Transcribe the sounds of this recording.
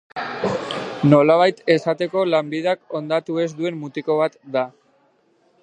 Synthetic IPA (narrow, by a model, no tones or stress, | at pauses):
no̞laβ̞ajt̪e̞sat̪e̞ko̞lambiðako̞nd̪at̪ue̞zd̪ue̞mːut̪iko̞β̞at̪d̪a